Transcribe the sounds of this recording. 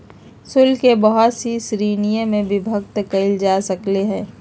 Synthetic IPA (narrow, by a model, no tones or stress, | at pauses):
sʊlkebɐɦɔt̪sisɾiːnijəmẽbɪbʱək̚t̪əkəɪld͡ʒaːsɐkleɦɛ̃ː